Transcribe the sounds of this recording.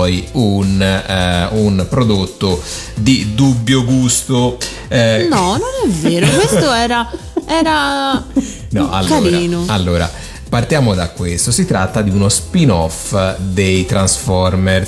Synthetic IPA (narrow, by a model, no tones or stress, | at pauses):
ɔiun | unpɾod̪ot̪ːo | d̪id̪ubːjoɡust̪o | nɔnonɛveːɾokwest̪oɛːɾa | ɛːɾa | nɔ̰a̰lːoaːɾiɾaːnoalːoːɾa̰ | part̪jaːmod̪akːwest̪osit̪ɾa̰t̪ːad̪iunospinɔfd̪ejt̪ɾansfɔɾmɛr